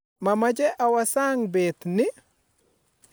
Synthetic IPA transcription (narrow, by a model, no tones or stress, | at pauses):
mamad͡ʒɛʔawasaːŋbeːt̪ni